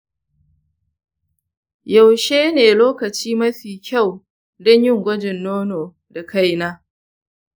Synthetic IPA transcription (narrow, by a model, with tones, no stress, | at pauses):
ja˨wʃeː˦neː˨loː˦kɐ˨t͡ʃiː˦mɐ˦ɸiː˨kʲʰa˦˨w | dɔ˦ɲjɪ˦ŋɡʷɐ˦d͡ʒɪ˨nːoː˦noː˨ | da˨kʰa˦˨jnaː˦